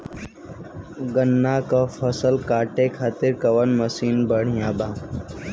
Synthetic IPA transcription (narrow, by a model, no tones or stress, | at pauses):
ɡənːaːkafɐsəlkaːʈekʰaːt̪ɪɾkɐʋənmɐsiːnbəɽ̤ijãːbaː